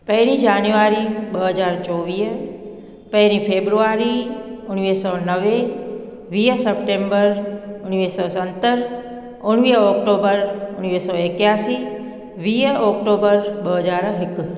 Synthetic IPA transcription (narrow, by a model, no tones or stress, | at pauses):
pəɦnid͡ʒanjuaɾibəɦəd͡ʒaɾt͡ʃɔʋiː | pəɦnipʰebɾuaɾiʊnʋisɔnəʋe | ʋijəsəpʈembəɾʊnʋisɔsənt̪əɾ | ʊnʋijɔkʈobəɾʊnʋisɔekjasi | ʋijɔk̚ʈobəɾbəɦəd͡ʒaɾɦɪk